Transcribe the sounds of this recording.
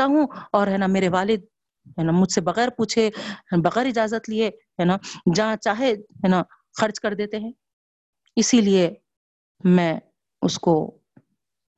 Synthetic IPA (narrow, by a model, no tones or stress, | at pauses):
aɦũɔːɾɦɛːnameːɾeʋaːlɪd̪̚ | ɦɛːnamʊd͡ʒʱsebɐɣɛːɾpuːt͡ʃʰeɦbɐɣɛːɾɪd͡ʒaːzət̪lieɦɛːnaːd͡ʒɐɦãt͡ʃaːɦeɦɛːna | xɐɾd͡ʒkɐɾd̪eːt̪eɦɛ̃ː | ɪsilie | mɛ̃ː | ʊ̰sko